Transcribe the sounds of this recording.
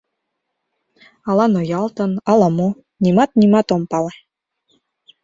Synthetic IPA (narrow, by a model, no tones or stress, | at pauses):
ɑlɑnojɑlˠt̪ɤ̆nɑlɑmo | nimɑt̪nʲimɑt̪ompɑle